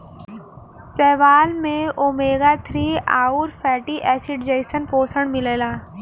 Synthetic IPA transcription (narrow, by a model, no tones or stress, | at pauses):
sɛːʋaːlmẽoːmeːɡaːt̪ʰɾiːa̰ːuɾfʰɛːʈiʔɛːsiɖd͡ʒɐɪsənpoːsəɳ̃mɪleːlaː